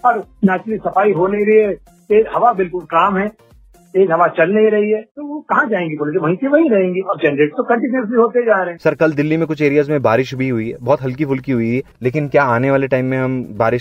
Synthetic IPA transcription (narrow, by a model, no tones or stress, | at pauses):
ɔɾnɛːt͡ʃɾəlisɐpaːiɦoːneiɾɐɦiɦɛ | t̪eːd͡ʒɦɐʋabɪlkʊlkaːmɦɛ̃ː | t̪eːd͡ʒɦɐʋat͡ʃɐlneiɾɐɦiɦɛːt̪ookɐɦãd͡ʒaːẽːŋɡiboːled͡ʒeʋɐɦĩseʋɐɦĩɾɐɦẽːŋɡiɐɾd͡ʒɛːnɾeːʈst̪okɐ̃ɳʈɪnəs̬iɦoːt̪ed͡ʒaːɾeɦɛ̃sɐɾkɐld̪ɪlːimẽkʊt͡ʃʰeːɾijaːzmẽbaːɾɪʃbʱiɦʊibɔːt̪ɦɐlk̬ifʊlkiɦʊileːkɪnkjaːaːneʋaːleʈaːɪmːẽɦɐmbaːɾɪʃ